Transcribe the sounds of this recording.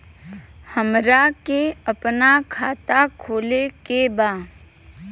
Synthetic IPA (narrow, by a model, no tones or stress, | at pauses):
həmɾakeəpnakʰaːt̪akʰoːlekebaː